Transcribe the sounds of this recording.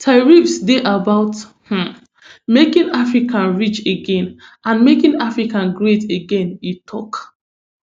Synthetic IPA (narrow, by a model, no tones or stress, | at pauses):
tʰaɹifsdeʔabaʊth̩ | mekĩŋafɹikʰãnɹit͡ʃeɡɛ̃nʔãnmekĩŋafɹikãnɡɹeteɡɛ̃nitʰɔ̰k